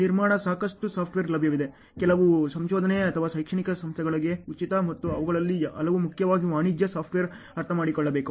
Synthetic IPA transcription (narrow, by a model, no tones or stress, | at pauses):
niɾmaːɳɐsaːkɐʂʈusaːpʰʈʋeːɾlɐbʱjɐʋid̪e̞ | kɛlɐʋusɐmʃoːd̪ʱɐneɐt̪ʰɐʋaːʃɐjkʂɐɳikɐsɐmst̪ʰjɛɡɐɭɐɡe̞ut͡ʃit̪ɐmɐt̪ːuɐʋɐɡɐɭɐlːiɐ̰lɐʋumukʰjɐʋaːɡiʋaːɳid͡ʒ̪jɐsaːp̚ʰʈʋejɐɾ | ɐɾt̪ʰɐmaːɽikɔɭːɐbe̞ːku